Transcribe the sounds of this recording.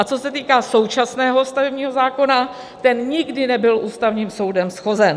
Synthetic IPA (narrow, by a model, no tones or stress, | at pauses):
ʔat͡sosɛt̪iːkaːso̞wt͡ʃasnɛːɦo̞st̪avɛbɲiːɦo̞zaːko̞na | t̪ɛnɲɪɡdɪnɛbɪlʔuːst̪avɲiːmso̞wdɛmsxo̞zɛn